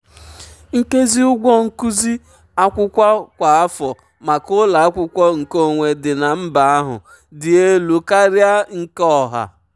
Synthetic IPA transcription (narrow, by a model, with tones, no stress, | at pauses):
ŋ̩˦ke˦zi˦ʊ˦ɡʷɔ˦ŋ̩˦ku˦zi˦ | a˦kʷʊ˦kʷa˦kʷa˨a˦fɔ˨ | ma˨kʊ˦la˨a˦kʷʊ˦kʷɔ˦ŋ̩˨ko˦˨ŋʷe˨dɪ˨na˨m̩˦ba˨a˦ɦʊ̰˨ | dɪ˨e˦lu˨ka˦ɾja˦ŋ̩˨kɔ˦˨ɦa̰˨